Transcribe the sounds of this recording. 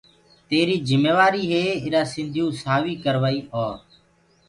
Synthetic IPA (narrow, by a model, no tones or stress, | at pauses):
t̪eːɾiːzɪmeːʋaːɾiːɦeːɪɾaːsɪ̃nd̪ʱijũːsaːʋiːkəɾʋaːiːɦaː